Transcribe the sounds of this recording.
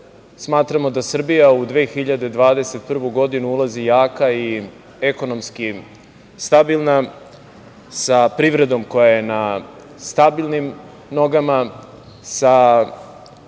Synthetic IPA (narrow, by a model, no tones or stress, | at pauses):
smaːt̪ɾamo̞d̪asr̩bijaud̪ʋeːxiʎad̪e̞d̪ʋaːd̪e̞se̞t̪̚pr̩ʋuɡo̞d̪inuulˠazijaːkai | e̞ko̞no̞mski | st̪abilˠna | sapɾiʋɾe̞d̪o̞mko̞jajena | st̪abilˠnim | no̞ɡama | sa